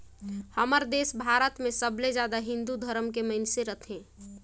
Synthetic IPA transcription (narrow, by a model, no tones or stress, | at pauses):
həməɾd̪eːsbʱaːɾət̪mẽsəbled͡ʒjaːd̪aɦɪ̃nd̪ud̪ʱəɾəmkeməɪnseɾət̪ʰɦẽː